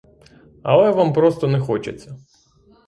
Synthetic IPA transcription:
ɐ̰lˠɛʋampɾɔst̪ɔnɛxɔt͡ʃḛt͡sʲːɐ

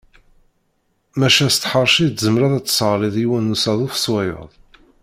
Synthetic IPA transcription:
mæʃæst̪ħəɾˤʃizəmɾæðæt͡sːsəʁɾˤiðˤiwænːusæðˤufswæjə̰ðˤ

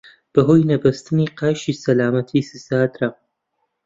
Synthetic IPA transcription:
b̥ɐɦoːjnɐbɐst̪ɨniːqaːʃiːsɐlaːmɐt̪ʰiːsɨsaːd̪ɾa

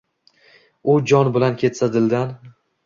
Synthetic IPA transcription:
ʊd͡ʒɒnbɪlankʲʰe̞t̪sad̪ɪld̪an

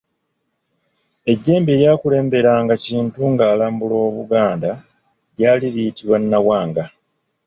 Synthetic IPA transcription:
e̞ɟːe̞ːmbeːɾjaːkule̞ːmbe̞ɾaŋɡaciːntuŋɡaːlaːmbulo̞ːβuɡaːnda | jjaːliɾiitiβwanːawaːŋɡa

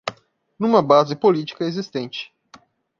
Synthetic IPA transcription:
nũmɐbazɪpolit͡ʃi̥kɐezist̪ẽnt͡ʃɪ̥

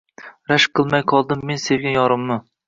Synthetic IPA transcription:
ɾæʃqʰəlˠmɛjqʰɑlˠd̪ɨmːenseɾɡʲɛjɑɾɨmːɨ

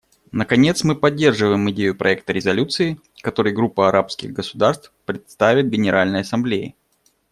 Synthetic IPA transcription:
nəkɐnʲe̞t̪smɨpɐdʲːe̞rʐɨvəjɪmɪdʲejʊpɾʔɐ̰ɛk̚t̪əɾʲɪzɐlʲut̪sɨɪ | kɐt̪o̞ɾɨjɡɾupːəɐɾʔapskʲɪ̰ɣɡəsʊd̪arst̪fpɾʲɪt̪st̪avʲɪt̪̚ɡʲɪnʲɪɾʔalʲnəjɐsɐmblʲejɪ̰

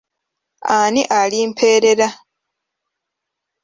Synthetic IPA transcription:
aːniʔaliːmpʰe̞ːɾeɾa

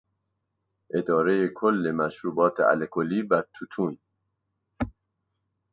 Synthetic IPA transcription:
ʔe̞d̪ɒːɾejekʰolːemæʃɾuːbɒːt̪ʰḛʔæ̰lekʰoliːbæɾt̪ʰut̪ʰuːn

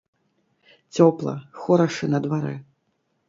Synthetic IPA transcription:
t͡sʲɔplˠɐ̰xɔɾɐʂɨnɐd̪vaɾɛ̰

